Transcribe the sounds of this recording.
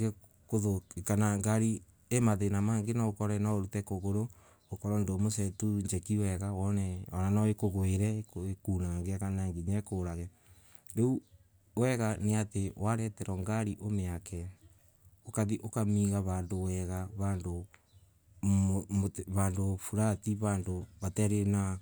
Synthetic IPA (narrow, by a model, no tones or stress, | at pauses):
ɡe | koðokanaŋɡaɾi | emaðenamaːŋɡenaokɔɾɛnaoɾutɛkoɣoɾo | okɔɾɔndomosɛtuɲd͡ʒɛkiwɛɣawɔnɛɔɾanɔekoɣoeɾɛkoekunaŋɡeakanaŋɡiɲɛkoɾaɣɛ | ɾeu | wɛɣaneatewaɾɛtɛɾɔŋɡaɾiʔomeakɛ | okaðiʔokamiɣaβaːndowɛɣaβando | moβandofuɾatiβaːndoβatɛɾena